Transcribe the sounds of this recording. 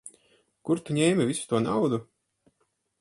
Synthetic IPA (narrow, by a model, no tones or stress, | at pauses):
kuɾt̪uɲʲeːmʲivisu̥t̪uɔnawd̪u